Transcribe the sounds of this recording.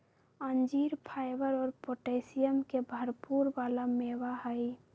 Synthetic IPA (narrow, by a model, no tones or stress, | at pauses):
ənd͡ʒiɾpʰajbəɾɔːɾpoʈeɪsijəmkebʱəɾpuɾbalamebaɦəj